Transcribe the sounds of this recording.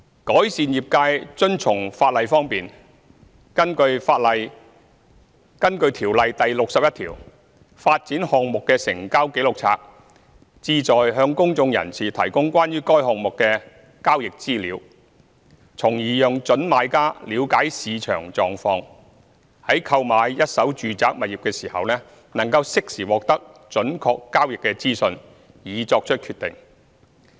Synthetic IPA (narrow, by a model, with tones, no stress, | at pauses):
kɔː˨˥jsiː˨njiː˨˩p̚kaː˧jt͡ʃɵ˥nt͡sʰʊ˨˩ŋfaː˧t̚lɐ˨jfɔː˥ŋpiː˨n | kɐ˥nkɵ˧ɥfaː˧t̚lɐ˨j | kɐ˥nkɵ˧ɥt̪ʰiː˨˩wlɐ˨jt̪ɐ˨jlʊ˨k̚sɐ˨p̚jɐ˥t̪ʰḭː˨˩w | faː˧t̚t͡siː˨˥nhɔː˨ŋmʊ˨kːɛː˧sɪ˨˩ŋkaː˥wke˨˥jlʊ˨k̚t͡sʰa̰ː˧k̚ | t͡siː˧t͡sɔː˨jɦœː˧ŋkʊ˥ŋt͡sʊ˧ŋjɐ̰˨˩nsiː˨˩t̪ʰɐ˨˩jkʊ˥ŋkʷaː˥njyː˥kɔː˥jɦɔː˨ŋ̚mʊ˨kːɛː˧ | kaː˥wjɪ˨k̚t͡siː˥liː˨˧˥w | t͡sʰʊ˨˩ŋjiː˨jʊː˨˧ŋt͡ʃɵ˨˥nmaː˨˧jkaː˥liː˨˧wkaː˨˥jsiː˨˧t͡ʃʰœ̰ː˨˩ŋt͡ʃɔː˨ŋfɔː˧ŋ | hɐ˨˥jkʰɐ˧wmaː˨˧jjɐ˥t̚sɐ˨˥wt͡ʃyː˨t͡saː˨˥k̚mɐ˨t̚jiː˨˩p̚kɛː˧siː˨˩hɐ̰˨wnɛː˥ | nɐ˨˩ŋkɐ˧wsɪ˥k̚siː˨˩wɔː˨k̚t̪ɐ˥k̚t͡ʃɵ˨˥nkʰɔː˧kːaː˥wjɪ˨kːɛː˧t͡siː˥sɵ˧n | jiː˨˧t͡sɔː˧k̚t͡ʃʰɵ˥t̚kʰyː˧t̪ɪ̰˨ŋ